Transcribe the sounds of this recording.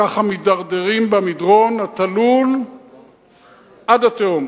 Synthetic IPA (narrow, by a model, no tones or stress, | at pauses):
aχamidaʁd̪eʁimbamidʁo̞nhat̪alul | ʔad̪at̪eom